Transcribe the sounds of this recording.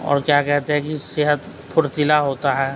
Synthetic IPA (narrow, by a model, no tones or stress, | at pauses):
ɔ̰ːɾkjakɛɦt̪eɦɛ̃kisɪɦət̪ | pʰʊɾt̪ɪlaɦoːt̪aɦɛː